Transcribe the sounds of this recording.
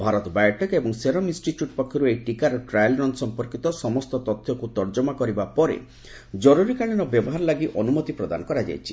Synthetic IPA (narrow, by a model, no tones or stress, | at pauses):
bʱaɾɔt̪ɔbajʈekebɔŋseɾɔmĩnsʈiʈjuʈpɔkʰːjɔɾuejʈikaɾɔʈɾajlɾɔnd̪sɔmpɔɾkit̪ɔsɔmɔst̪ɔt̪ɔt̪ʰːjɔkut̪ɔɾd͡ʒɔmakɔɾibapɔɾḛ | d͡ʒɔɾuɾikaɭiɽ̃ɔbjɔbɔɦaɾɔlaɡiʔɔnumɔt̪ipɾɔd̪a̰nɔkɔɾad͡ʒa̰jt͡ʃʰi̥